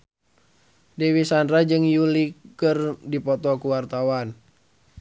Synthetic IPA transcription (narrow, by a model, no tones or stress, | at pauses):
dewisandɾad͡ʒɨŋjulikɨrdipɔt̪ɔkuwart̪awan